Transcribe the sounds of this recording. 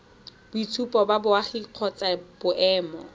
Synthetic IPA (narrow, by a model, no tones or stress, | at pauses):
b̥ʊitʰupʼɔbabʊaχiq͡χʰɔt͡sab̥ʊʔɛːmɔ̰